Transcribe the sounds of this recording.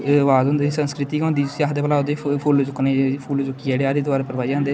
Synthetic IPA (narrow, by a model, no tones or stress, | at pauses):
ʋaːzõːnd̪esə̃nskɾɪt̪iːkõːnd̪iːsiːaːɦd̪eːplaːod̪epʰʊld͡ʒʊkneːpʰuːld͡ʒʊkːiɛːɽeaːɾiːd̪aːɾepəɾʋaːiãːnd̪eː